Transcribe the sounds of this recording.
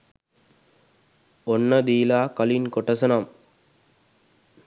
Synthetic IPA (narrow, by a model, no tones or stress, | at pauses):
ɔnːɐd̪iːlaːkɐlinkɔʈːɐsɐnɐm